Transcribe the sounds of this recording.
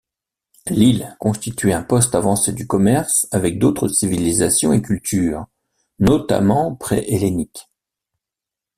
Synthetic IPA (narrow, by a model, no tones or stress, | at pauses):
lilkɔ̃st̪it̪ɥɛɛ̃pɔst̪avɑ̃sed̪ykɔmɛʁsavɛk̚d̪ot̪χəsivilizasjɔ̃ekʲylt̪ʰyːʁ | nɔt̪a̰mɑ̃pχɛ̰ʔelenik